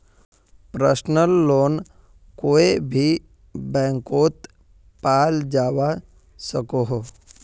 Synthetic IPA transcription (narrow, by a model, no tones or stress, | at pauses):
pɾəsnəlːoːn | koːebʱi | bɛ̃ːŋkoːt̪ | paːld͡ʒaːʋa | səkoɦoː